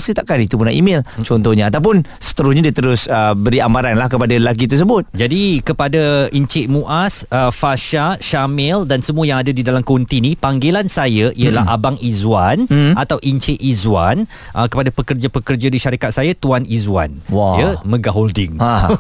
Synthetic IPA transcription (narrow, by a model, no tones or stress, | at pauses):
sət̪aʔkanit̪upunaḭmɪlt͡ʃɔnt̪ɔhɲaat̪awpʊnsə̥t̪əɾʊsɲadiat̪əɾʊsəbəɾiamaɾanlahkəpadaəlak̬it̪̬əs̬əbʊt̪̚d͡ʒadikəpadaiɲt͡ʃɪʔmũʔasəfaʃaʃamɛldansəmuəjaŋadadidalamkəunt̪inipaŋɡelansajaʔiəla̰ɦʔa̰baŋizuanat̪awʔiɲt͡ʃɪʔizuan | ʔəkəpadapəkərd͡ʒapəkərd͡ʒadiʃaɾikat̪̚sajat̪uanizua̰nwajəmə̃ɡaɦoldɪŋa